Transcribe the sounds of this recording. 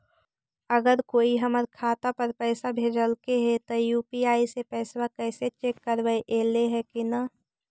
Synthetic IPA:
əɡəɾkoːiɦəməɾkʰaːt̪apəɾpɛːsabʱeːd͡ʒəlkeɦɛt̪ojuːpiaːisepɛːswakɛːset͡ʃeːkːəɾwəeʔeːleɦɛkina

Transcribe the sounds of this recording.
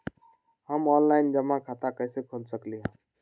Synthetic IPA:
həmɔːnlaːɪnd͡ʒəmãkʰat̪akəːsekʰonsəkliɦãː

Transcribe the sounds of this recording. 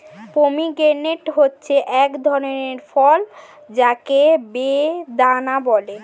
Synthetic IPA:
pomiɡeneʈɦotːɕʰeʔɛkd̪ʱɔɾoneɾfɔl | d͡ʑakebed̪anabɔle

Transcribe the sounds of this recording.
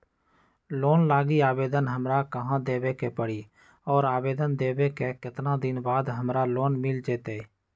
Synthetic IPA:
loːnlaːɡiaːbeːd̪ənɦəmɾakəɦãd̪eːʋekepəɽiː | ɔːɾaːbeːd̪ənd̪eːʋekekɪt̪nãd̪ɪnbaːd̪ɦəmɾaloːnmɪld͡ʒeːt̪eː

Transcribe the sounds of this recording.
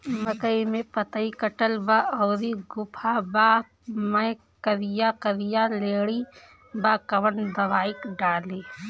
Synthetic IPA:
məkəimẽpət̪əikəʈəlbaɔːɾiɡʊpʰabaː | məj | kəɾɪjakəɾijaleːɽi | baːkɐʋənd̪ɐʋaːɪkɖaːleː

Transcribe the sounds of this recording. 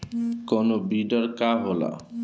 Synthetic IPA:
konobiɖɔɾkaɦola̰

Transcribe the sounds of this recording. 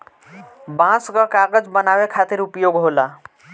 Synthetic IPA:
bãskʌkaɡəd͡ʒbənabekʰat̪iɾupjoɡɦola

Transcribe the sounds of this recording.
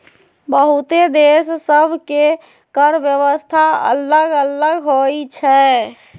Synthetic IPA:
bəɦut̪ed̪essəbʱke | kəɾʋjəʋəst̪ʰaə̰ləɡələɡɦoit͡ʃʰɛ

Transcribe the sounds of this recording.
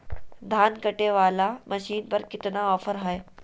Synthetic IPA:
d̪ʱaːnkɐʈeʋaːlamɐʃiːnpɐɾkɪt̪naɔːfəɾɦɐe

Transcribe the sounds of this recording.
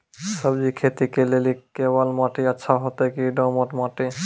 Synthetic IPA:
səbd͡ʑikʰet̪ikelelikebalmaʈiatːʃʰaɦɔt̪ekiɖɔmɔʈmaʈi

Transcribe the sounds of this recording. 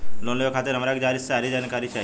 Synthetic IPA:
lonləjokʰat̪eɾɦəmɾakd͡ʒaɾissaɾid͡ʒankaɾit͡ʃʰa

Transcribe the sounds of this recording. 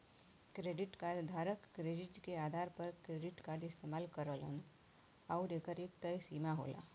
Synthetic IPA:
kɾeːɖɪʈkaːɾɖd̪ʱaːɾəkːɾeːɖɪʈkeaːd̪ʱaːɾpəɾkɾeːɖɪʈkaːɾɖɪst̪eːmaːlkəɾəːlə̰n | aʊɾeːkəɾeːkt̪əjsiːmaɦo̰ːla̰ː

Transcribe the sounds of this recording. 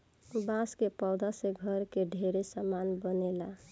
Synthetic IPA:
bãskepɔwd̪aseɡʱəɾkeɖʱeɾesamanbənela

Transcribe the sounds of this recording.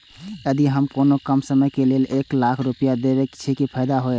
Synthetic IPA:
əd̪iɦəmkoːnokəmsəməjkeleleːklakʰɾupijad̪ebekt͡ʃʰekipʰəjd̪aɦoe

